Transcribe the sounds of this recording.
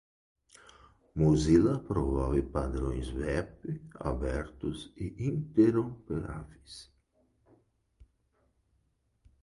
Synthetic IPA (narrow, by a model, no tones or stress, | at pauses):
mozilɐpɾovavɪpad̪ɾõjzvɛpɪa̰bɛɾt̪ʊsiʔint̪eɾopeɾa̰vis